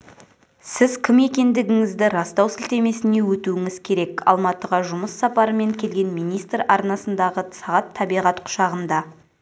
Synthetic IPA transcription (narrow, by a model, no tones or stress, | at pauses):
sɪzkʲʰɪme̞kʲe̞nd̪ɪɡʲɪŋɪzd̪ɪɾɑst̪ɑwsɪlt̪e̞me̞sɪne̞wɵt̪uɪŋɪzkʲʰe̞ɾe̞kɑ̰lˠmɑt̪əʁɑʒʊməsːɑpɑɾəme̞ŋkʲʰe̞lɡʲe̞nmijnijst̪rɑɾnɑsənd̪ɑʁəsɑʁɑt̪ʰːɑbijʁɑt̪qʰʊ̥ʃɑʁənd̪ɑ